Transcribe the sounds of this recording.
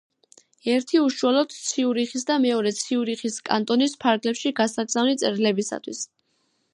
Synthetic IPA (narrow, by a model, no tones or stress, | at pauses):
ɛɾt̪ʰiuʃualˠɔd̪̥t̪sʰiuɾiχisd̪amɛɔɾɛt̪sʰiuɾiχiskʼa̰nt̪ʼɔnispʰaɾɡlɛpʃiɡasaɡzavnit̪sʼɛɾlɛbisa̰t̪ʰwḭs